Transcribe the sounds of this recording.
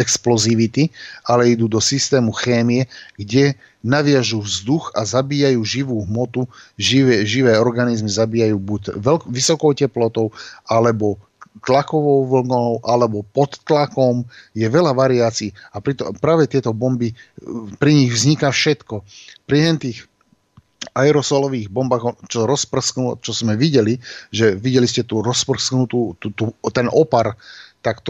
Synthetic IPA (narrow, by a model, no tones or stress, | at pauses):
ɛksplɔziʋit̪ialɛid̪uːd̪ɔsist̪ɛːmuxɛːmiɛɡɟɛ | naʋɪaʒuːvzd̪uxazabiːjajuːʒiʋuːɦmɔt̪uiʒiʋɛːɔɾɡanizmizabiːjajuːbucʋɛlʋisɔkɔʊcɛplɔt̪ɔʊʔalɛbɔ | t̪lakɔʋɔʊʋl̩ɡɔʊʔalɛbɔpɔt̪ːlakɔmjɛʋɛlaʋaɾiaːt͡siːapɾit̪ɔpɾaːʋɛt̪ɪɛt̪ɔbɔmbipɾiɲiɣʋzɲikafʃɛt̪kɔpɾiɦɛnt̪iːx | aɛɾɔsɔlɔʋiːɣbɔmbaːɣt͡ʃɔɾɔspr̩sknut͡ʃɔzmɛʋiɟɛliʒɛʋiɟɛliscɛt̪uːɾɔspr̩snut̪uːut̪ut̪ɛnʔɔpaɾt̪akt̪ɔ